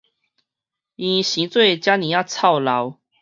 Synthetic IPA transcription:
ĩ˨˧ɕi˨˦t͡swe˥˨ɪt͡ɕja˥˦nĩ˨˦ja˥˧˩ʊt͡sʰa˥˨ʊla˨˦ʊw

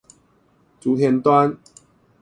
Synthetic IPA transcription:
t͡su˨t̪ʰjɛ˧nt̪wa˦n

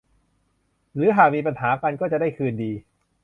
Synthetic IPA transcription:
ɾɯː˨˦ɦaː˨˩k̚miː˧pa˧nɦaː˩˦ka˧nkɔː˥˩t͡ɕa˨˩da˥˩jkʰɯː˧ndiː˧

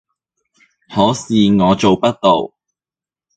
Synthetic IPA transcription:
hɔː˨˥siː˨ŋɔː˨˧t͡so˨wpɐ˥t̚t̪ːo˨w

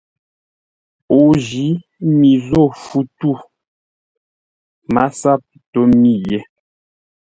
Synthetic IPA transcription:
o˨ʒi˨˦ | mi˨zo˦˨fu˦tu˦˨ | ma˦sa˦˨p̚to˦mi˦jɛ˦

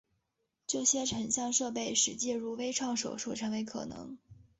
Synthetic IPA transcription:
ʈ͡ʂɤ˥˩ɕjɛ˥ʈ͡ʂʰə˨˩nɕjɑ˥˧ŋʂɤ˥˧pe˥˩ɪʂɻ̩˨˥t͡ɕɛ˥˧ɻu˥˩we˥ɪʈ͡ʂʰwɑ˥˩ŋʂo˨˩ʊʂu˥˩ʈ͡ʂʰɤ˧˥ŋwe˧˥ɪkʰɤ̰˨˩nɤ̰˧˥ŋ

